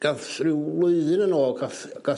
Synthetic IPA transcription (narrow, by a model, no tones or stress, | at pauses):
ɡ̥afrɪwlˠʊɨðɨnənoːɡaθ | ɡ̥a